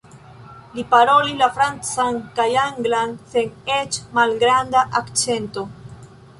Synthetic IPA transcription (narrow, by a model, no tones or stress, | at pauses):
lipaɾo̞lilafɾant͡sankajaŋɡlanse̞net͡ʃmalɡɾand̪aʔakt͡se̞nto̞